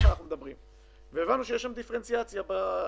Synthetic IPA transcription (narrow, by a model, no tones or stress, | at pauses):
anaχnumed̪abʁim | veeːvanːuʃejeʃamd̪ifeent͡siat͡sjaba